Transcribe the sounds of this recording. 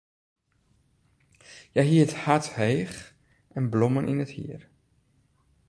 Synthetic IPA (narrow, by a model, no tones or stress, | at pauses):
jɛjɦiəthathejχ | ʔɛnblɔmənʔḭnəthḭər